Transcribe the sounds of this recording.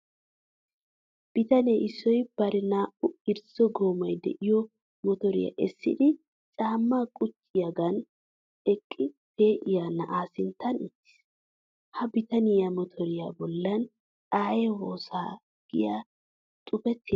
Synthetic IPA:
b̥ɪt̪ɐneʔɪsːɔjb̥ɐɾɪnaːʔʊɪɾsɔɡoːmɔjd̪ɛ̰ʔɪjɔ | mɔt̪ɔɾɪ̰ja̰ʔɛsːɪ̰d̪ɪ | t͡ʃʼaːmːaːkʼʊt͡ʃːɪjɐɡɐn | ɛkʼːɪpeːʔɪjanːɐʔaːsɪnt̪ːɐnɪt̪ːɪ̥s | hɐbɪt̪ɐnɪjamɔt̪ʰɔɾɪjabɔlːɐn | ᶑaːjɛwoːsaː | ɡ̥ɪja | t̪ʼʊpɛt̪ʰːɪ

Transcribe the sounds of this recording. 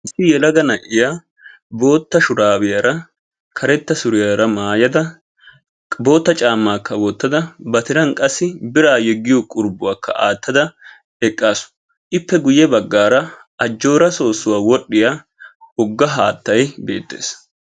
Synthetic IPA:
ʔɪsːɪjɛlɐɡɐnɐʔɪja | bo̞ːt̪ːɐʃʊɾaːbɪjɐɾɐ | kʰɐɾɛt̪ːɐsʊɾɪjɐɾɐmaːjɐd̪ɐ | bo̞ːt̪ːɐt͡ʃʼaːmːaːkːɐboːt̪ːɐd̪ɐbɐt̪ɪɾɐnkʼɐsːɪbɪɾaːjɛɡːɪjɔkʼʊɾbʊwaːkːɐ̰ʔa̰ːt̪ːɐd̪ɐ | ɛkʼːaːsʊ̥ | ʔɪpːɛɡʊjːɛbɐɡːaːɾɐ | ɐd͡ʒːo̞ːɾɐso̞ːsːʊwaːwɔɗːɪjaː | ʊɡːɐɦa̰ːt̪ːɐjbe̞ːt̪ːe̞̰ːs

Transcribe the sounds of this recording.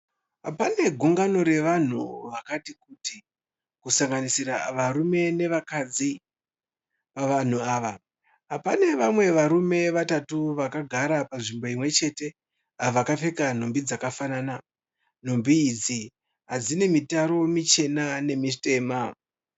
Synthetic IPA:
apane̞ɡʱuŋɡano̞ɾe̞ʋan̤uʋakatikuti | kusaŋɡanisiɾaʋarume̞ne̞ʋakad͡zi | paʋan̤uaːʋa | apane̞ʋamwe̞ʋaɾume̞ʋatatuʋakaɡʱaɾapaʐimbo̞imwe̞t͡ʃe̞te̞ | aʋakafe̞kan̤ombid͡zakafanaːna | n̤ombiːd͡zi | ɦad͡zine̞mitaɾo̞mit͡ʃe̞nane̞mite̞ːma

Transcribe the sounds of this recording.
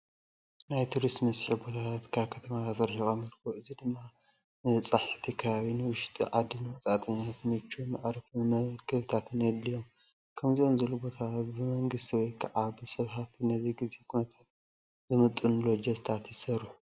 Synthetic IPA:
najt̪ʰuɾist̪mɐsħibo̞t̪ʰat̪ʰat̪kʰaβkʰɐt̪ʰɐmat̪ʰat̪ɾħixomiɾkʰoʔɨzid̪ɨmːa | nɨt͡sʼaħt̪ʰikʰɐβaβinɨwʊʃt̪ʼḭʕad̪ɨnɨwɐt͡sʼat̪ʼɐɲːat̪ʰɨnɨt͡ʃːumaʕɾɐfɨmɐkʰɨβt̪ʰat̪ʰɨnjɛd̪lijom | kʰɐmziʔo̞mzɐlubo̞t̪ʰabɨmɐŋɡɨst̪ʰiwɔjkʰɐʕabɨsɐβɦaft̪ʰinɐziɡize̞kʰunɐt̪ʰat̪̚ | zɨmɨt̪ʼːunlod͡ʒɐst̪ʰat̪jɪsɐɾuħ

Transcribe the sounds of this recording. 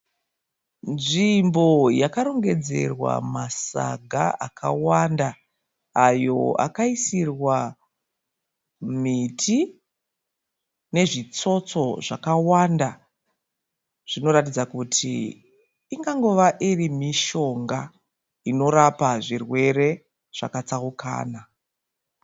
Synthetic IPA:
nʐimbo̞jakaɾo̞ŋɡe̞d͡ze̞̰rwa̰masa̰ɡʱa̰akʰa̰wandaː | jo̞̰a̰kaisirwa | mitʰi | ne̞ʐit͡so̞t͡so̞ʐakawanda | ʐ̥ino̞ɾatid͡zakutʰḭː | ŋɡaŋɡo̞ʋaʔirimiʃo̞ŋɡa | ino̞ɾapaʐirwe̞ɾe̞ | ʐ̥a̰kat͡saukʰa̰ːna

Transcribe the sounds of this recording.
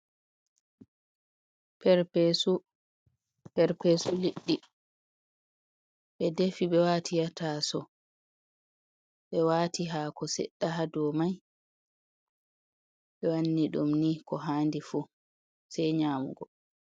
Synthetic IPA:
pɛɾpesu | pɛɾpesuliɗːi | ɓɛdefiɓɛwatʰijatasɔ | ɓɛwaːtiɦaːkɔsɛ̰ɗːaɦadɔmaj | ɓɛwanːiɗumnikɔɦaːndifu | sɛjɲaːmṵɡɔ

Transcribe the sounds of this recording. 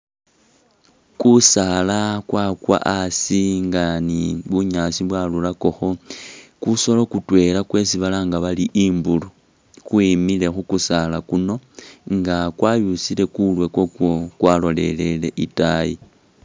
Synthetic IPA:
kusalakwakwa̰ʔasiŋɡaniβuɲasiβwalulako̞xo̞kuso̞lokutwe̞lakwe̞siβalaŋɡaβaliʔimbulu | kwimile̞xukusalakuno̞ŋɡakwajusile̞kulwe̞kwo̞kwo̞kwalo̞le̞le̞le̞ʔitaji

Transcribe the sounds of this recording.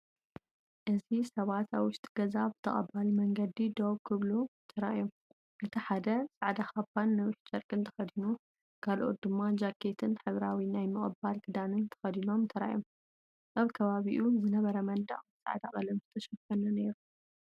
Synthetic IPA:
ʔɨzisɐβat̪ʰaβwʊʃt̪ʼiɡ̥ɐzabɨ̥t̪ʰɐ̰χʼɐ̰balmɐŋɡɐd̪id̪oβkʰɨβlut̪ʰɐɾa̰ʔjom | ʔɨt̪ʰiħad̪ɐsʼaʕd̪axapːanːɐwɪħt͡ʃʼɐɾkʼɨnt̪ʰɐ̥xɐd̪inu | kʰalʔo̞̰t̪̚d̪ɨmːad͡ʒakʰːe̞t̪ʰɨnħɨβɾawinajmɨχʼɨbalt̪ʰɨd̪anɨnt̪ʰɐ̥xɐd̪ino̞mnt̪ʰɐɾa̰ʔjom | ʔaβkʰɐβaβiʔuzɨnɐβɐɾɐmɐnd̪ɐ̰χʼsʼa̰ʕd̪aχʼɐlɐmzɨt̪ʰɐʃɐfɐnɐne̞ɾu

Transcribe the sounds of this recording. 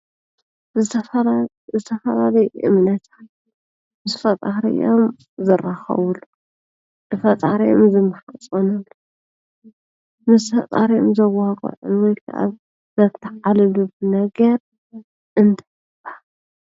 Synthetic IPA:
zɨt̪ʰɐ | zɨt̪ʰɐfɐlalɐjʔɨ̰mnɐt̪ʰḁt̪ | mɨsfɐt̪ʼaɾɐ̰jom | zɨraxɐ̰βulu | ʔɨfɐt̪ʼaɾijomzɨmːaħat͡sʼonɐlːo | mɨsfɐt̪ʼa̰ɾijomzɐwakʼo̰ʕʔʊ̰nwɔjkʰaʔa̰ | zɐt̪ʰːɐʕalɨlubɨnɐɡɐɾ | ʔɨnt̪ʰɐ̥ | ɨba

